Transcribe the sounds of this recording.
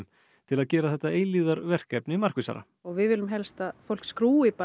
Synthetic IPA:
m | t̪ʰɪlaðcɛːɾaθɛt̪ːaeːjliːðaɾvɛr̥kɛpnɪmar̥kvisa̰ɾa̰ | ɔɣvɪðvɪːlʏmɦɛlst̪aðfowl̥kskɾuːɪpa

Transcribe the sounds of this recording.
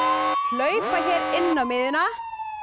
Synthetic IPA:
hlœɥpaçɛːɾɪnːawmɪðɪna

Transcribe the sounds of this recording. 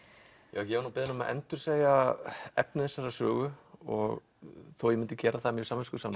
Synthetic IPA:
ja̰ːwçɛvaɾnuwpɪðɪnʏma̰ʔɛ̰nt̪ʏɾ̥seːjaɛpnɪθɛsːaɾɾasœːɣʏɔɣ | θowjɛmɪnt̪ɪcɛːɾaθamjœsaːmːɪskʏ̥saːma

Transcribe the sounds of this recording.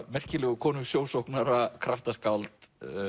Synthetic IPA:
mɛr̥cɪlɛɣʏkʰɔːnʏsjoːwsowhknaɾakʰɾaft̪askawlt̪

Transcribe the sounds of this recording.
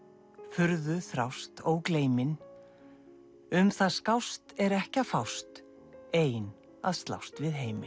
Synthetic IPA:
fʏɾðʏθɾawst̪oːwkleːjmɪn | ʏmθaðskawst̪ɛɾɛhcafawst̪ | eːjn | a̰ðst̪la̰wst̪vɪðɦeːjmɪ

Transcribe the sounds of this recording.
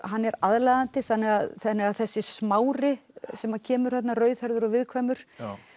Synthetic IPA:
ɦanːɛɾaðlajðant̪ɪθanːɛɣaðθanːɛɣaðθɛsːɪsmaːwɾɪsɛmacʰɛːmʏɾ̥θɛt̪narœːɥðhɛɾðʏɾɔvɪðkʰvajmʏɾ̥

